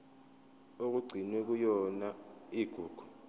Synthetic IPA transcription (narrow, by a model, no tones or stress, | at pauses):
ok̬uɡ͡ǀʱinwɛk̬ujɔnaiɡ̥ʱuːɡ̥ʱu̥